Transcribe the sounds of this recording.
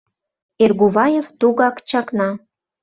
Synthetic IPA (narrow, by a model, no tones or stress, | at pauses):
erɣuβɑjeft̪uɣɑkt͡ɕɑknɑ